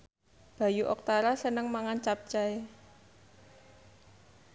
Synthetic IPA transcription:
b̥a̤juʔɔk̚t̪aɾasənəŋmaŋant͡ʃap̚t͡ʃae

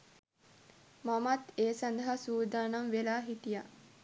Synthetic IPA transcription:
mamat̪eːsand̪ɐɦasuːd̪aːnamʋelaːɦiʈija

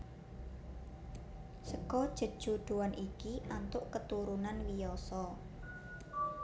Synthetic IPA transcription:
səkɔd̥ʒ̥ə̤d̥ʒ̥uɖ̪̥ṳwanʔikiʔant̪ʊʔkət̪uɾunanwijɔsɔ

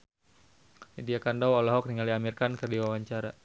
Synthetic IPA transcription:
nidiakandawɔlɔɦɔk̚niŋaliamirkankərdiwawaɲt͡ʃaɾa

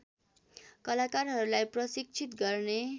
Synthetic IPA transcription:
kʌlakarɦʌɾulajprʌsik̚t͡sʰit̪ɡʌrne

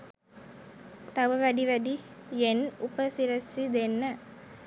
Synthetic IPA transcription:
t̪ɐʋɐʋɐɖiʋɐɖijenupɐsiɾɐsːid̪enːɐ

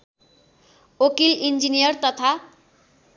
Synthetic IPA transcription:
okilind͡zinijʌrt̪ʌt̪ʰa

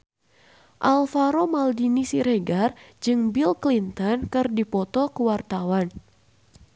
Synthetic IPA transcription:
ʔalfaɾomaldinisiɾeɡard͡ʒɨŋbilklint̪ənkɨrdipɔt̪ɔkəwart̪awan

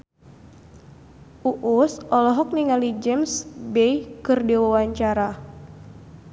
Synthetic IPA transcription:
ʔuʔusʔɔlɔɦɔk̚niŋalid͡ʒɛmsbɛjkɨrdiwawaɲt͡ʃaɾa

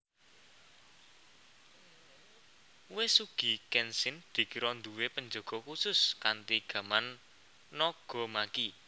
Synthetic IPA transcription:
wɪsuɡ̥i̤kɛnsɪnd̪̥i̤kiɾɔnd̪uwepəɲd͡ʒo̤ɡ̥ɔ̤kusʊskant̪iɡ̥ä̤manː | ɔɡ̥ɔ̤maki

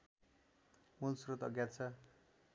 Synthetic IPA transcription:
mulsrot̪ʌɡjat͡sʰʌ

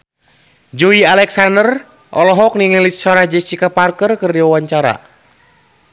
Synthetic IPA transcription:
d͡ʒɔialɛksandər | ʔɔlɔɦɔk̚niŋəlisɔɾahd͡ʒɛt͡ʃikaparkərkərdiwawaɲt͡ʃaɾa̰

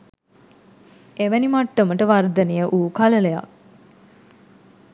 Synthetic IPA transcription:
eʋænimaʈːəməʈəʋard̪ənejəʔuːkalələja̰k̚

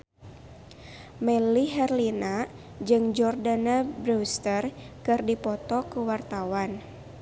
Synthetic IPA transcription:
mɛliɦɛrlina | d͡ʒɨŋd͡ʒɔrdanabɾust̪ər | kɨrdipɔt̪ɔkəwart̪awan

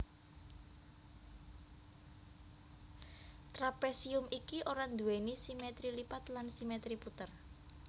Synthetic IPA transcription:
t̪ɾapesiʊmikiʔoɾand̪uwenisimet̪ɾilipat̪lansimet̪ɾiput̪ər

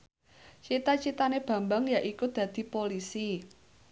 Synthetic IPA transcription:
t͡ʃit̪at͡ʃit̪aneb̥a̤mbaŋjaʔikud̪̥ä̤d̪̥i̤polisi

